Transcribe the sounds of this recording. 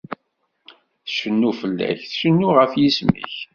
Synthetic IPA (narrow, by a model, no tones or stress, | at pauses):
θʃənːufəlːæ̰çθəʃənːuʁəfjismḭç